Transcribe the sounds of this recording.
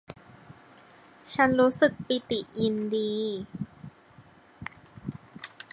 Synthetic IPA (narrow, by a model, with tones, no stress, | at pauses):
t͡ɕʰa˦˥nɾuː˦˥sɯ˨˩k̚pi˨˩t̪i˨˩ʔji˧ndiː˧